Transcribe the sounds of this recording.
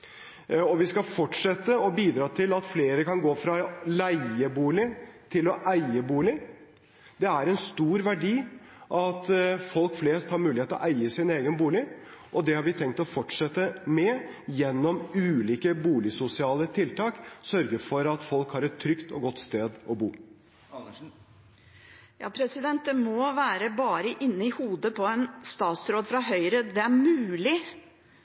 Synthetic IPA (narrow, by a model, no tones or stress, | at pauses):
ɔʋɪskɑfɔʈʂɛt̪ːəɔbiːd̪ɾɑːt̪ʰɪlɑt̪fleːɾəkɑnɡoːfɾɑlæɪəbuːlɪt̪ʰɪlɔʔæɪəbuːlɪ | d̪ɛæɾɛnst̪uːɾʋæɖiː | ʔɑt̪fɔlkfleːst̪hɑɾmʉːlɪheːt̪əɔʔæɪəsɪneːɡənbuːlɪ | ʔɔd̪ɛhɑɾʋɪt̪ʰɛŋk̚t̪ɔfɔʈʂɛt̪ːəmɛjɛnːɔmʉːliːkəbuːlɪsʊsɪɑːlət̪ʰɪlt̪ɑːksœɾɡəfɔɾɑt̪fɔlkhɑɾɛt̪ʰːɾʏkt̪ɔ̰ɡɔt̪ːst̪eːd̪ɔbuː | jɑ̰ːpʰɾɛsɪd̪ɛnt̪̚d̪ɛmɔʋæːɾəbɑːɾəʔɪnːəɪhuːd̪əpʰɔɛnst̪ɑːt̪sɾoːd̪fɾɑɦœʏɾəd̪ɛæɾmʉːlɪ